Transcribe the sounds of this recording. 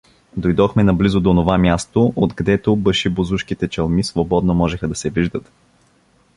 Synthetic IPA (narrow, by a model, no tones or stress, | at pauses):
d̪ojd̪ɔxmɛnɐblizʊd̪oːnovamʲjast̪oʔot̪kɐd̪ɛt̪obəʃibozuʃkit̪ɛt͡ʃɐlˠmisvobɔd̪nomɔʒɛxəd̪ɐsɛviʒd̪ət̪